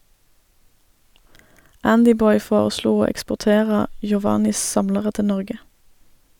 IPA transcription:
ˈændɪˌbɔʏ ˈfoːʁəˌsluː ˈoː ɛkspʊʁˈteːʁə jʊˈʋɑːnɪs ˈsɑmləʁə ˈtɪ ˈnɔʁɡə

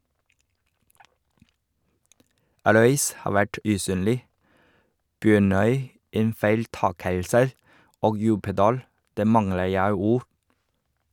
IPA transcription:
ˈɾœʏs ˈhɑː ˈʋæʈ ʉˈsyːnlɪ ˈbjøːɳœʏ ˈeːn fæɪlˈtɑːkəlsə ˈoːɡ ˈjʉːpədɑːl ˈdæː ˈmɑŋlə ˈjæɪ ˈuːɾ

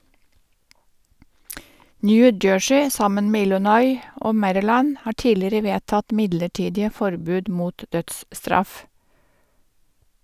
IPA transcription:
ˈnjʉː ˈd͡ʒøːʃɪ ˈsɑmən ˈmeː ˈɪlʊnɔʏ ˈʔoː ˈmæɾɪˌlæn ˈhɑː ˈʈiːlɪɾə ˈʋeːtɑt ˈmɪdləˌʈiːdɪə ˈfɔɾbʉːd ˈmuːt ˈdœtsˌstɾɑf

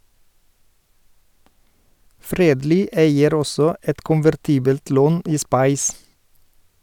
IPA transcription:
ˈfɾeːdˌliː ˈeɪəɾ ˈɔsɔ ˈɛt kʊnʋæɾˈtiːbəlt ˈloːn ˈiː ˈspɑɪs

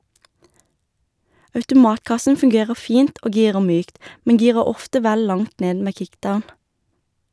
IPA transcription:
ɑʉtʊˈmɑːtˌkɑsn̩ fʉŋˈɡeːʁəʁ ˈfiːnt ˈoː ˈɡiːʁə ˈmyːkt ˈmɛŋ ˈɡiːʁə ˈɔftə ˈʋæl ˈlɑŋt ˈneːd ˈmeː ˈkɪkˌdaʊn

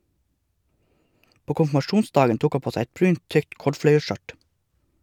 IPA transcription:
ˈpoː kʊmfmɑˈʃuːnˌsdɑːɡən ˈtuːk ˈɑ ˈpoː ˈsæɪ ˈɛt ˈbɾʉːnt ˈtʏkt ˈkɔɖfɽœʏəˌʃœʈ

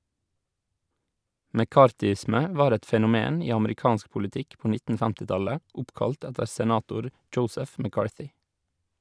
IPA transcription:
mɛˈkɑːɾtʏˌɪsmə ˈʋɑːɾ ˈɛt fɛnʊˈmeːn ˈiː ɑməɾɪˈkɑːnsk pʊlɪˈtɪk ˈpɔ ˈnɪtn̩ ˈfɛmtɪ ˈtɑlə ˈʊpkɑlt ˈɛtəɾ sɛˈnɑːtʊɾ ˈdʒəʊsəf mæˈkɑːɹθʏ

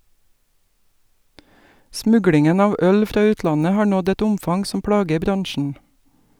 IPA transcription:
ˈsmʉɡlɪŋən ˈɑːʋ ˈœl ˈfɾɑː ˈʉːtlɑnə ˈhɑːɾ ˈnɔd ˈɛt ˈʊmfɑŋ ˈsɔm ˈpɽɑːɡə ˈbɾɑŋʃn̩

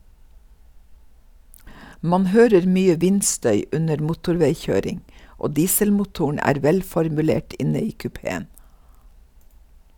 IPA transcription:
ˈmɑn ˈhøːɾəɾ ˈmyːə ˈʋɪnˌstœʏ ˈʉnəɾ ˈmuːtʊɾˌʋeɪˌçøːɾɪŋ ˈʔoː ˈdiːsəlmʊˌtuːʊɳ̩ ˈæːɾ ˈʋɛlfɔɾmʉˌleːʈ ˈʔɪnə ˈiː kʉˈpeːən

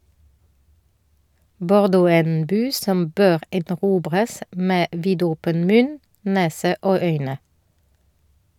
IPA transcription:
bɔʁˈdoː ˈæː ˈeːn ˈbyː ˈsɔm ˈbøːʁ ɛdnɔˈʁuːbʁəs ˈmeː ˈʋiːdɔpən ˈmʉn ˈneːsə ˈoː ˈœʏnə

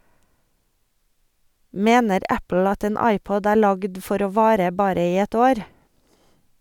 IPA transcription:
ˈmeːnəɾ ˈæpl̩ ˈɑt ˈeːn ˈɑɪˌpɔd ˈæːɾ ˈlɑɡd ˈfɔɾ ˈoː ˈʋɑːɾə ˈbɑːɾə ˈiː ˈɛt ˈoːɾ

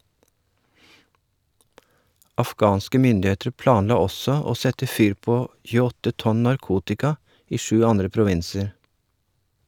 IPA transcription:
ɑfˈɡɑːnskə ˈmʏndɪˌeːtɾ ˈplɑːnˌlɑː ˈɔsɔ ˈoː ˈsɛtə ˈfyːɾ ˈpoː çʉːəˈɔtə ˈtɔn nɑɾˈkuːtɪkɑ ˈiː ˈʃʉː ˈɑndɾə pɾʊˈʋɪnsəɾ

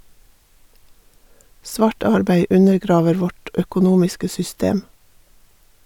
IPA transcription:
ˈsʋɑːʈ ˈɑɾbæɪ ˈʉnəɾˌɡɾɑːʋəɾ ˈʋɔʈ œkʊˈnuːmɪskə sʏˈsteːm

